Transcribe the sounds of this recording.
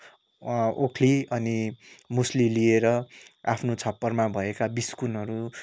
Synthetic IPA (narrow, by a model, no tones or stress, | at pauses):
okʰliʌnimuslilieɾʌa̰pʰnot͡sʰʌpːʌrmabʱʌekabiskunʌɾu